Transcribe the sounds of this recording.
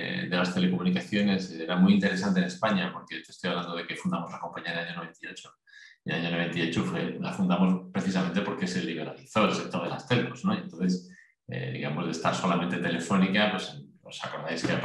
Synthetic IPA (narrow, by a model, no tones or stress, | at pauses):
d̪elast̪e̞le̞komunikaθjo̞ne̞seeɾamuijint̪e̞ɾe̞sant̪ene̞spaɲapo̞ɾket̪est̪ojaβland̪oð̞e̞kefund̪amolako̞mpaɲiaðeaɲonoβ̞e̞nt̪ao̞t͡ʃo | elaɲono̞βe̞nt̪aio̞t͡ʃofḛla̰fund̪amo̞spɾe̞θisament̪e̞po̞ɾkeeselːiβe̞ɾaliθoelsek̚t̪oɾðelast̪elkozno̞je̞nt̪onθes | ḛðḭɣamo̞zðest̪a̰ɾso̞lament̪e̞t̪e̞le̞fo̞nikapwes | osako̞ɾðajskea